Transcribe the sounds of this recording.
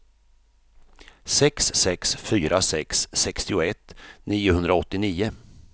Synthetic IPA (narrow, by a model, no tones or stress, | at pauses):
sɛksːɛksfyːɾʔasɛksːɛkst̪ɪʊɛt̪ːniːʊhɵnd̪ɾaɔt̪ːɪniːʊ